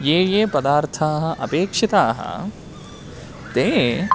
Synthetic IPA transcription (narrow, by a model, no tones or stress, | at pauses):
jeːjeːpɐd̪aːɾt̪ʰaːɦɐ̆ʔɐpeːkʂit̪aːɦɐ̰ | t̪eː